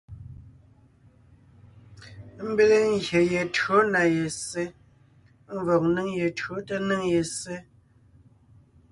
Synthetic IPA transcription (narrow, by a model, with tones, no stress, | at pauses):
m̩˦be˦le˦ŋ̩˦ɣje˨je˨tɰo˨˦na˨je˨se˦ | m˦vɔ˨k̚ni˦ŋje˨tɰo˨˦tə˦nɨ˦ŋje˨se˦